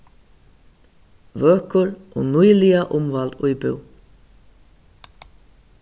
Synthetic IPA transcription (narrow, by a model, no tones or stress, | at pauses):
vœːkʊɾʔɔ̰nujlɪaʔʊmvalt̪ʊjpɪ̰w